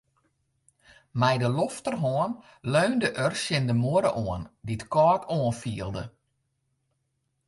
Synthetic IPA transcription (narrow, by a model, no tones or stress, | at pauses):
mɛjdəloftərɦɔən | løːndəʔərsjɪndəmoəɾəʔoənditkɔːtʰoənfiəlˠdə̰